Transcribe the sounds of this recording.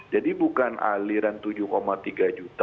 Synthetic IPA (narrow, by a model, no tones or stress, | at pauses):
d͡ʒadibukanʔa̰liɾant̪ud͡ʒʊkomat̪iɡad͡ʒut̪